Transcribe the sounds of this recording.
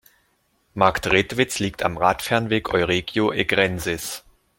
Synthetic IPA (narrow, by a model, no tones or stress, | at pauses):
maktʁɪtv̥ɪt͡sliːk̚tʰa̰mʁaːtfɛɐnveːkʰɔʏʁeːɡjoʔeɡʁɛnzɪs